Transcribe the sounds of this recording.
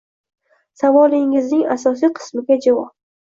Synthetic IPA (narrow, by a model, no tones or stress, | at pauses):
savɒlɪŋɪznɪŋasɒsijqʰɨ̥smɪɡʲad͡ʒavɒp̚